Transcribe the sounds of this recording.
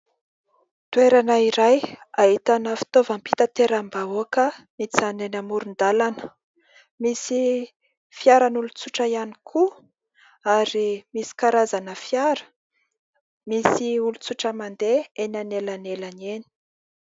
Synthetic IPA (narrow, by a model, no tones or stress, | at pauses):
t̪ueɾanaiɾajaɦit̪anəfi̥t̪ovampi̥t̪at̪eɾambaoakəmit͡sanenamuɾund̪alanə | misi | fjaɾanulut͡suʈ͡ʂəjanikʰu | aɾimisi̥kaɾazanəfjaɾə̥ | misiulut͡suʈ͡ʂəmand̪eenanelanelaneni̥